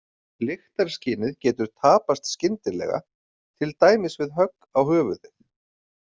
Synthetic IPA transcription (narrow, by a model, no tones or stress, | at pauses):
lɪxt̪aɾ̥sciːnɪðcɛːt̪ʏɾ̥t̪ʰaːpast̪scɪnt̪ɪlɛ̰ɣa̰ | t̪ʰɪlt̪aːjmɪsvɪðɦœkː | awhœːvʏðɪθ